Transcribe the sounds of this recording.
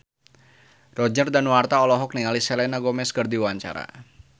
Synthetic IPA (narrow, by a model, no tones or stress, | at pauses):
rɔd͡ʒərdanwart̪aɔlɔɦɔk̚nialisɛlɛnaɡɔmɛskərd̪iwaɲt͡ʃa̰ɾa̰